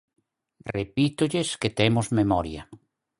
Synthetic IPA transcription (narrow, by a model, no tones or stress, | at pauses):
repit̪ʊʎesket̪emozmemɔɾjɐ